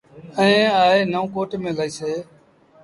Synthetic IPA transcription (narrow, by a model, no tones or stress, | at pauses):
əẽːaːɦeːnəõːkoːʈːmẽːlaːiːseː